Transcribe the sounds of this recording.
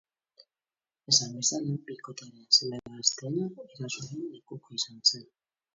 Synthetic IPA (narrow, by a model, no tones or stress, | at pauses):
e̞sambesalabikot̪eɾeaselaɾaːst̪ejaeɾasoɾelekukoisansen